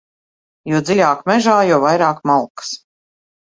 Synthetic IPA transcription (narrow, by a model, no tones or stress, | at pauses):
juɔd̪zilʲaːkmʲɛʒaːjɔwvajɾaːkmalˠkɨ̥s